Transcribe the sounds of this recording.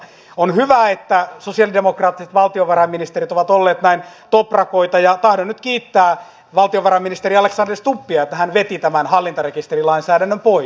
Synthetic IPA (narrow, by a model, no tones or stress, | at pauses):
onhyʋæet̪ːæsosiɑlidemokrɑːt̪ːiset̪ʋɑlt̪ioʋɑrɑmːinist̪eɾit̪oʋɑt̪olːeːt̪næin | t̪oprɑkoit̪ɑjɑt̪ɑhdonnyt̪kiːt̪ːæː | ʋɑlt̪ioʋɑrɑmːinist̪eɾiɑleksɑnderst̪upːiɑet̪ːæhænʋet̪it̪æmænhɑlːint̪ɑrekist̪erilɑinsæːdænːømpoi